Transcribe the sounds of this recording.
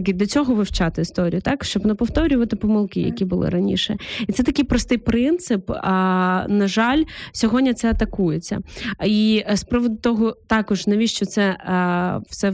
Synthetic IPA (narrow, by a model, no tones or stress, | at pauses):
kɪd̪lʲɐt͡sʲɔɦɔʋɪwt͡ʃɑt̪ɪist̪ɔɾʲḭjʊt̪ɑkʃt͡ʃɔbnɐpɔwt̪ɔɾʲʊʋɐt̪ɪpɔmɐlˠkɪjɐ̰kʲibʊlˠɪ̰ɾɐnʲḭʃɛit̪sɛt̪ɐkɪjpɾɔst̪ɪjpɾɪnt̪sɪp | nɐʒɑlʲsʲɔɦɔdʲnʲɐt̪sɛɐt̪ɐkujet͡sʲːɐ̰ispɾɔʋɔd̪ʊt̪ɔɦɔt̪ɑkɔʒnɐʋʲiʃt͡ʃɔt̪sɛ | fsɛ